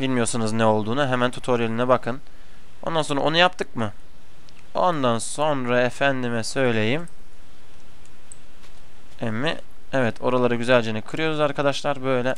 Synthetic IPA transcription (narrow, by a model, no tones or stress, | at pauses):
bilʲmijo̞ɾsunuznɛo̞lˠd̪uːnuɦemænt̪ʰu̥t̪ʰo̞ɾjelʲinɛbakʰɯn | o̰nd̪anso̞nɾa̰onujap̚t̪ʰɯkmɯ | o̞nd̪anso̞nɾaefænd̪imɛsø̞jlʲe̞jim | ɛmːḭ | ɛvɛt̪ʰo̞ɾalˠaɾɯɟyzælʲd͡ʒenikʰɯɾɯjo̞ɾuzaɾkʰad̪aʃlˠaɾbø̞jlʲɛ